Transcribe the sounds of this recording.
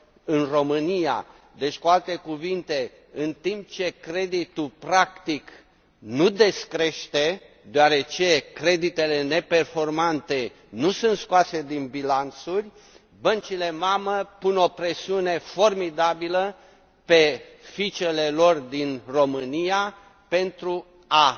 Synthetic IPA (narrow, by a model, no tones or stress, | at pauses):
ɨnro̞mɨnija̰ | d̪et͡ʃʲkualt̪e̞kuvint̪e̞ | ɨnt̪imp̚t͡ʃe̞kɾe̞d̪it̪ulpɾakt̪ik | nud̪e̞skɾe̞ʃt̪e̞ | d̪eoaɾe̞t͡ʃe̞kɾe̞d̪it̪e̞le̞ne̞pe̞rfo̞rmant̪e̞ | nusunt̪skoase̞d̪inbilant̪surʲ | bənt͡ʃile̞maməpuno̞pɾe̞siune̞fo̞rmid̪abilə | pe̞fit͡ʃe̞le̞lo̞rd̪inro̞mɨnija | pe̞nt̪ɾu | a